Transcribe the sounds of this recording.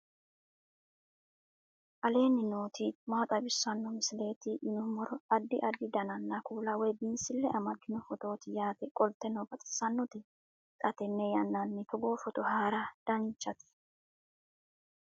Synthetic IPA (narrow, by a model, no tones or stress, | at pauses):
ʔɐle̞ːnːɪno̞ːt̪iːmaːt̪ʼɐbɪsːɐnːɔmɪsɪle̞ːt̪iːʔɪnɔmɔɾɔɐd̪ːɪʔɐd̪ːɪd̪ɐnɐnːɐkuːlɐwɛjbinsɪlːɛʔɐmɐɡːɪnɔfɔt̪o̞ːt̪ɪjaːt̪ɛkʼɔlt̪ɛnɔbɐt̪ʼɪ̥sɐnːɔt̪ɪ | kʼɐt̪ɛnːɛjɐnːɐnːɪt̪ɔɡo̞ːfɔt̪ɔhaːɾɐd̪̥ɐnt͡ʃːɐt̪ɪ̥